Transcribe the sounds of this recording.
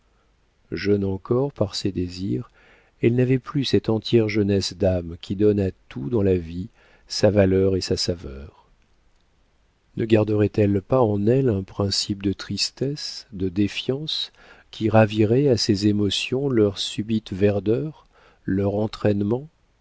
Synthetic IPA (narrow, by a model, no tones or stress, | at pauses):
ʒœnɑ̃kɔʁpaʁsed̪eziʁ | ɛlnavɛplysɛt̪ɑ̃t̪jɛʁʒənɛsd̪amkʲʰid̪ɔnat̪ud̪ɑ̃lavi | savalœʁesasavœʁ | nʔəɡaʁd̪əʁɛt̪ɛlpaɑ̃nɛlɛ̃pχɛ̃sip̚d̪ət̪χist̪ɛsd̪əd̪efjɑ̃s | kʲʰiʁaviʁɛasezemɔsjɔ̃lœʁsybit̪vɛʁd̪œʁ | lœʁɑ̃t̪χɛnmɑ̃